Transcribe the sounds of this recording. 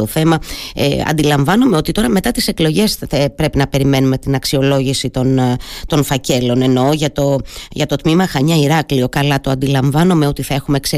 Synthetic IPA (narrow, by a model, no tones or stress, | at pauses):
oθe̞mɐ̰ɐ̰nd̪ilɐɱvɐnome̞o̞t̪it̪o̞ɾɐme̞t̪ɐt̪ise̞klo̞ʝe̞sepɾe̞pinɐpe̞ɾime̞nume̞t̪inɐksio̞lo̞ʝisit̪o̞nt̪o̞nfɐce̞lo̞ne̞no̞ʝɐt̪o̞ʝɐt̪o̞t̪mimɐxɐɲɐiɾɐklio̞kɐlɐt̪oɐnd̪ilɐɱvɐnome̞o̞t̪iθɐe̞xume̞kse